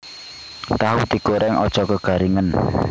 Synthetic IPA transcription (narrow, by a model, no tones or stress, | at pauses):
t̪aɦut̪iɡ̥oɾɛŋɔ̰d̥ʒ̥ɔ̤kəɡ̥a̤ɾiŋən